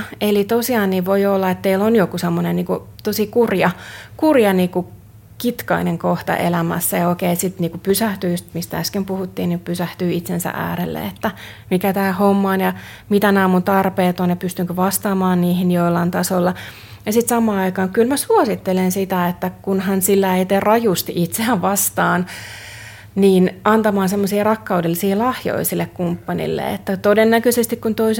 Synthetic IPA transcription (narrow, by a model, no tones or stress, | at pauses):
elit̪osiɑːnːiʋʋoiolːɑet̪t̪eilːonjokusemːonenniːkut̪osikurjɑkurjɑniːku | kit̪kɑ̰ineŋkoht̪ɑ̰ʔḛlæmæ̰sːæjɑokeisit̪niːkupysæht̪yːst̪mist̪ææskempuhut̪ːiːniːkpysæht̪yːit̪sensæ̰ʔæ̰ːɾelːḛet̪ːæ | mikæt̪æːhomːɑonjɑ | mit̪ænæːmunt̪ɑrpeːt̪onjɑpyst̪yŋkøʋɑst̪ɑːmɑːnniːhinjoilːɑnt̪ɑsolːɑ | jɑsit̪sɑmɑːɑikɑːŋkylmæsuosit̪ːelensit̪æet̪ːækunhɑnsilːæeit̪errɑjust̪iʔit̪seæʋʋɑst̪ɑːn | niːnʔɑnt̪ɑmɑːnsemːosiːrɑkːɑudelːisiːlɑhjo̰isilːekkumpːɑnḭlːḛḛt̪ːæt̪odenːækøsest̪ikkunt̪ois